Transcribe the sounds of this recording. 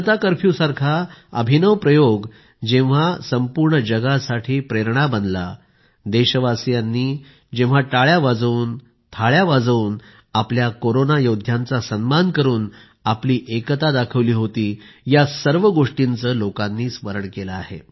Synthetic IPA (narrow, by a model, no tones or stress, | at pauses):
t̪akəɾpʰjusaɾkʰaəbʱinəʋpɾəjoɡ | d͡ʑẽʋ̤asəmpuɾɳəd͡ʑəɡasaʈʰiːpɾeɾɳabənd̪la̰ | d̪eɕəʋasjanːiː | d͡ʑẽʋ̤aʈaɭjaʋad͡zuːn | t̪ʰaɭjaʋad͡zuːn | apljakoɾonajod̪ʱjant͡sasənmankəɾuːn | apliːʔekət̪ad̪akʰəʋliːɦot̪iːjasəɾʋəɡoʂʈint͡səːlokanːiːsməɾəɳkelaːɦḛ